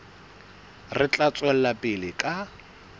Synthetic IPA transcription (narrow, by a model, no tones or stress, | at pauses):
rɪt͡ɬʼat͡sʼwɛl̩lapʼɪlɪkʼa